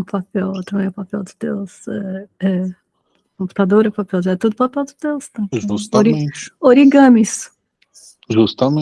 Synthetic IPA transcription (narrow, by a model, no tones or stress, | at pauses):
ũpapɛwt̪ɐ̃mẽj̃ʊpapɛwd̪ɪd̪ḛwsɛɛ | kõmpu̥t̪ad̪oɾɛpapɛwd͡ʒɛt̪ud̪ʊpapɛwd̪ɪd̪ewst̪ɐ̃ʒust̪ɾĩt͡ʃoɾiɡɐ̃mis | ʒust̪amẽ